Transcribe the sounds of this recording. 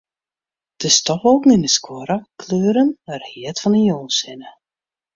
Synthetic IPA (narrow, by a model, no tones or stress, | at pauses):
d̥əstɔfoːkn̩indəskʰwɔɾəkʰløːɾənərhiətfɔnəjoːlˠsɪnə